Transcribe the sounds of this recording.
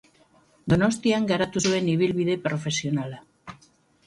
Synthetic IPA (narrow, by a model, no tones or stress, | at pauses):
d̪onost̪jaŋɡaɾat̪uzueniβilβiðepɾofesjonala